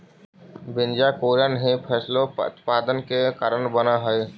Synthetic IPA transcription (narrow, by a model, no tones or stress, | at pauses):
bɪnd͡ʒakoːɾanɦẽpʰɛːsloʊ̰t̪paːd̪ənkekaːɾənbənaɦəe